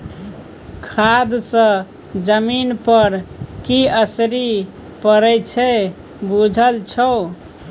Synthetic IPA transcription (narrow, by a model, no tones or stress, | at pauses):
kʰad̪sə̃ | d͡ʒəminpəɾkiəsɾi | pəɾɛjt͡ʃʰɛ | bud͡ʒʱəlt͡ʃʰəw